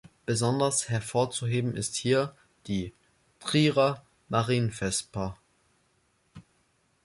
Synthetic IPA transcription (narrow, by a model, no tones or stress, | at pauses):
b̥əzɔndɐshɛɐfoːɐt͡suɦeːbm̩ʔɪsthiːɐ | d̥iː | tʁ̥iːʁa | maʁiːnfɛspʰɐ